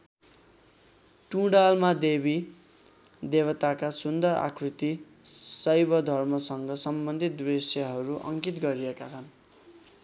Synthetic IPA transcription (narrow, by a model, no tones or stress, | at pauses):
ʈũɽalmad̪ebi | d̪eβʌt̪akasund̪ʌɾa̰kʰrit̪i | sʌjbʌd̪ʱʌrmʌsʌŋɡʌsʌmbʌnd̪ʱit̪̚bisjʌɦʌɾuʔʌ̰ŋkit̪ɡʌɾijekat͡sʰʌn